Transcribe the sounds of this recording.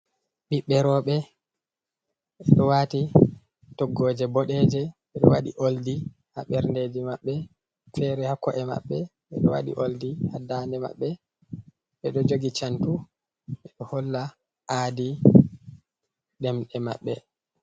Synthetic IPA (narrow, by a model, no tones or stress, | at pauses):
ɓiɓːɛɾɔːɓɛ | ʔɛɗɔwati | tɔɡːɔːd͡ʒɛbɔɗɛd͡ʒɛ | ɛɗɔwaɗḭʔoldi | haɓɛɾnded͡ʒimaɓːɛ | fɛɾɛhakɔʔɛma̰ɓːɛ | ɛɗɔ̰wa̰ɗḭʔoldihadandɛma̰ɓːɛ | ɓɛɗɔd͡ʒoɡit͡ʃantu | ɛɗɔhɔlːa | ʔaːdi | ɗɛmɗɛma̰ɓːɛ